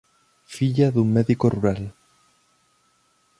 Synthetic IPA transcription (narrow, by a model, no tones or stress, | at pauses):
fiʎaðuŋmeðikoruɾal